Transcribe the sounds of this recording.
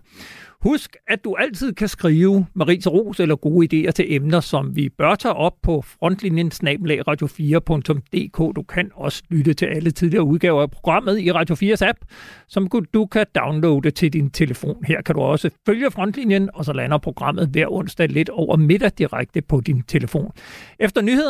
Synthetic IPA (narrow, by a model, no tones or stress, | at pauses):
husɡ̥æd̥uʔæl̰t͡sʰið̞̰ˠkʰæsɡ̥ʁiːʊmɑ̈ʁḭːsʁo̝̰ːselɐɡ̥o̝ːid̥e̝̰ːɐt͡sʰe̝lʔemnɐsɒ̽mʋib̥ɶɐt͡sʰɛ̰ːʔɒ̽b̥̚pʰɒ̽fʁɒ̽n̰d̥linjənsnɛ̰ːb̥nlɛ̰ɪʁɑ̈ːd̥jo̝fiːɐpʰɔ̽ŋt͡sʰɔ̽md̥e̝̰ːkʰɔ̰ːd̥ukʰænɒ̽sə̥lydət͡sʰe̝ʔælət͡sʰið̞ˠliɐːuðˠɡ̥ɛːʊɐæpʰʁo̝ɡ̥ʁɑ̈m̰ð̞̩ˠiʁɑ̈ːd̥jo̝fiːɐsæb̥̚sɒ̽mkud̥ukʰæd̥ɑ̈ʊnloʊd̥e̝t͡sʰe̝ld̥int͡sʰe̝ləfo̝̰ːnheɐ̰kʰæɾ̥uɒ̽səføljəfʁɒ̽n̰d̥linjənɒ̽sɒ̽lænɐpʰʁo̝ɡ̥ʁɑ̈m̰ð̞̩ˠʋæɐ̰ɔ̽n̰sd̥ɛle̝d̥ɒʊ̰ɐme̝d̥ɐd̥iʁaɡ̥̚d̥əpʰɒ̽d̥int͡sʰe̝ləfo̝̰ːnʔefd̥ɐnye̝ð̰ˠ